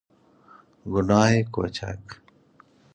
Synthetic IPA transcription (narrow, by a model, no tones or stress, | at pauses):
ɡunaːeko̰ːt͡ɕʰa̰k